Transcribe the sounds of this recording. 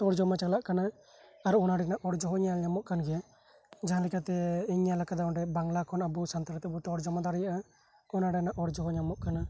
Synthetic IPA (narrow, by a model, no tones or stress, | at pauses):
t̪ɔɽd͡ʒɔmat͡ʃaɡlaʔkana | aɾuɔnaɖɛnaʔɔɽd͡ʒɔɦɔɲalɲamɔʔkanɡɛ | d͡ʒaɦãlikat̪ɛiɲalakad̪aɔnɾɛbaŋlakʰɔnabusant̪aɾt̪ɛbut̪ɔɽd͡ʒɔmad̪aɾɛjaʔa | ɔnaɖɛnaʔɔɽd͡ʒɔɦɔɲamɔʔkana